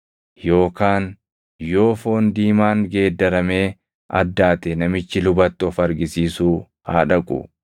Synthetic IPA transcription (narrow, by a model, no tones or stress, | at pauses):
jo̞ːkaːn | jo̞ːfo̞ːnd̪iːmaːŋɡe̞ːd̪ːɐɾɐme̞ː | ɐ̰d̪ːaːt̪ɛnɐmɪt͡ʃːɪlʊbɐt̪ːɔfɐɾɡɪsiːsuː | ha̰ːᶑɐkʼʊ̰